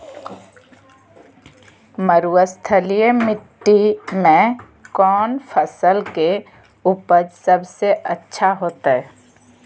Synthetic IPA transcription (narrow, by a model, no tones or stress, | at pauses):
məɾuwəst̪ʰəlijəmɪʈːimẽ | kɔːnpʰəsəlke | ʊpəd͡ʒsəbseʔətːʃʰaɦoːt̪aɦɛː